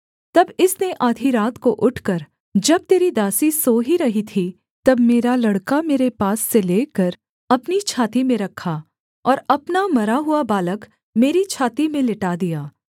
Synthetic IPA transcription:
t̪ɐbɪsneʔaːd̪ʱiɾaːt̪koʔʊʈʰkɐɾ | d͡ʒɐb̚t̪eːɾid̪aːsisoːɦiɾɐɦit̪ʰi | t̪ɐbmeːɾalɐɽkameːɾepaːsːeleːkɐɾ | ɐpnit͡ʃʰaːt̪imẽɾɐkʰːa | ɔːɾɐpnamɐɾaɦuabaːlək | meːɾit͡ʃʰaːt̪imẽlɪʈad̪ijaː

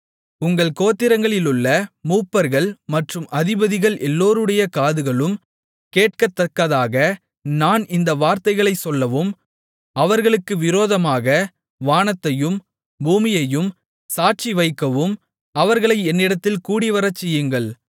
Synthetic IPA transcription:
ʊŋɡɐɭkoːt̪ːɪɾɐŋɡɐɭɪlɯɭːɐmuːpːɐɾɣɐɭmɐʈrɯmʔɐðɪbɐðɪɣɐɭʔɛlːoːɾɯɽɐjɐkaːðɯɣɐɭɯm | keːʈ̚kɐt̪ːɐkːɐðaːɣɐ | naːnɪnd̪ɐʋaːɾt̪ɐɪɣɐɭɐɪsɔlːɐʋɯm | ɐʋɐɾɣɐɭɯkːɯʋɪɾoːðɐmaːɣɐ | ʋaːnɐt̪ːɐjɯm | buːmɪjɐjɯm | saːʈ̚t͡ʃiʋɐɪkːɐʋɯm | ɐʋɐɾɣɐɭɐɪɛnːɪɽɐt̪ːɪlkuːɽiʋɐɾɐt͡ʃːɛjɯŋɡɐɭ

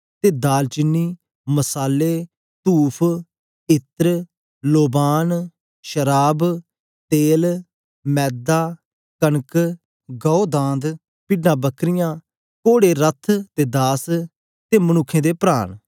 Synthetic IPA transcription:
t̪eːd̪aːlt͡ʃɪnːiː | məsaːlːeː | t̪uːpʰ | ɪt̪ɾ | loːbaːn | ʃəɾaːb | t̪eːl | mɛːd̪aː | kənk | ɡɔːod̪ãːnd̪ | pɪɖnãːbəkɾɪjãː | koːɽeːɾət̪ʰt̪eːd̪aːs | t̪eːmənʊkʰːẽːd̪eːpɾa̰ːn

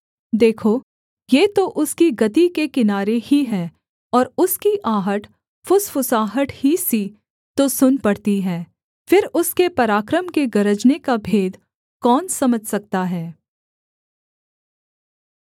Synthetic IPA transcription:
d̪eːkʰo | jeːt̪oʔʊskiɡɐt̪ikekɪnaːɾehiɦɛː | ɔːɾʊskiʔaːɦəʈ | fʊsfʊsaːɦəʈhisi | t̪osʊnpɐɽt̪iɦɛː | fɪɾʊskepɐɾaːkɾəmkeɡɐɾəd͡ʒnekabʱeːd̪ | kɔːnsɐməd͡ʒʱsɐk̚t̪aɦɛː

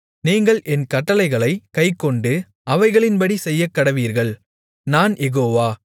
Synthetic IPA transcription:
niːŋɡɐɭʔɛnkɐʈːɐlɐɪɣɐɭɐɪkɐɪkːɔɳɖɯ | ʔɐʋɐɪɣɐɭɪnpɐɽisɛjːɐkːɐɽɐʋiːɾɣɐɭ | naːnjɛɣoːʋaː

